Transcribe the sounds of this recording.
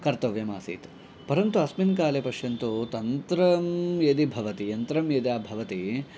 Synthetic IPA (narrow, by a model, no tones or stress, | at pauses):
kɐɾt̪ɐʋjɐmaːsḭːt̪ | pɐɾɐnt̪uɐsminkaːlepɐʃjɐnt̪ut̪ɐnt̪ɾɐmjed̪ibʱɐʋɐt̪ijɐnt̪ɾɐmjed̪jaːbʱɐʋɐt̪i